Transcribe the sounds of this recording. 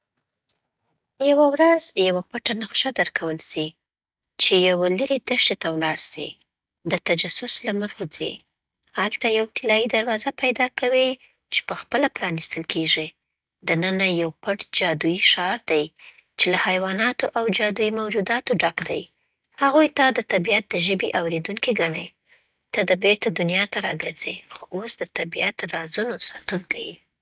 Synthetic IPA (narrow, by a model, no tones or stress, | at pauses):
jawawɾazjawapaʈanaqʃad̪əɾkʰawəlsi | t͡ʃejaweləɾed̪əʃʈet̪awlɑɽsḭ | d̪ət̪ad͡ʒasʊslaməxed͡zḛ | halt̪ajawt̪ɪlɑjid̪aɾwɑzapajd̪ɑkawi | t͡ʃe̥pəxpəlapɾɑnist̪əlkʰeʒi | d̪ənənajawpəʈd͡ʒɑd̪ujiʃɑɾd̪aj | t͡ʃelahajwɑnɑt̪oʔawd͡ʒɑd̪ujimawd͡ʒud̪ɑt̪oɖakd̪aj | haɣujt̪ad̪ət̪abijat̪̚d̪əʒəbiʔawɾed̪uŋkiɡaɳaj | t̪ad̪əbeɾt̪ad̪ʊnjɑt̪aɾɑɡəɾzexoʔosd̪ət̪abijat̪̚d̪əɾɑzunosɑt̪unkawi